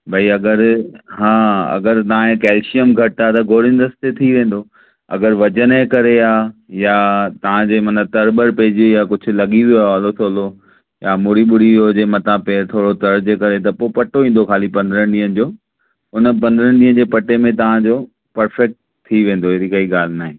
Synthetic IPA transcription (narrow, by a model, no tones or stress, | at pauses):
bʱɐiɐɡəɾɦãːɐ̰ɡəɾt̪ɐʋ̤ãẽkɛːlʃijəmɡʱɐʈaːt̪ɐɡʱoːɾɪ̃nd̪əst̪et̪ʰiʋẽːn̆d̪o | ɐ̰ɡəɾʋɐd͡ʑənẽkɐɾeaːjat̪ɐʋ̤ãd͡ʑeːmɐnət̪ɐɾbəɾpeːd͡ʑojakʊd͡ʑʰʱʊ̆lɐɠĩoɐʋaːlosoːlo | jamʊɾiɓʊɽ̤iod͡ʑeːmɐt̪ãpeːɾt̪ʰoːɽot̪ɐɾd͡ʑekɐɾet̪̬ɐpopɐʈoĩːn̆d̪okʰaːlipɐ̃nd̪ɾənɗiːə̃n̆d͡ʑoː | ɦʊnəp̬ɐ̃nd̪əɾəɽɗiːɦə̃nd͡ʑeːpɐʈemẽt̪ɐʋ̤ãd͡ʑoː | pɐɾfɛk̚ʈ̚ | t̪ʰːiʋẽːn̆d̪oɦeːɾikɐiɠaːl̤ɪnaːɦẽː